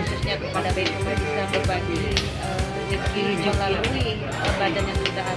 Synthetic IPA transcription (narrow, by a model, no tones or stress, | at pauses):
ususɲakəpadabaikmabisabərbaɡi | əsəd͡ʒətid͡ʒaŋlalui | əbadanjaŋkit̪aʔa